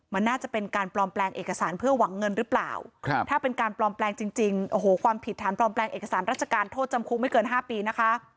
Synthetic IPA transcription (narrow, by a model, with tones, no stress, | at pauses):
ma˧nːaː˥˩t͡ɕa˨˩pe˧nkaː˧nplɔː˧mplɛː˧ŋʔeː˨˩ka˧saː˩˦npʰɯ˥˩ɐwa˩˦ŋːɤ˧nɾɯː˦˥pla̰ː˨˩wt̪ʰaː˥˩pe˧nkaː˧nplɔː˧mplɛː˧ŋt͡ɕi˧ŋt͡ɕi˧ŋʔoː˧˩ɦoː˩˦kʰwaː˧mpʰi˨˩t̪ʰːaː˩˦nplɔː˧mplɛː˧ŋʔeː˨˩ka˧saː˩˦nɾaː˥˩t̚t͡ɕʰa˧kaː˧nt̪ʰoː˥˩t̪̚t͡ɕa˧mkʰu˦˥k̚ma˥˩jkɤː˧nɦaː˥˩piː˧na˦˥kʰa˦˥ʔ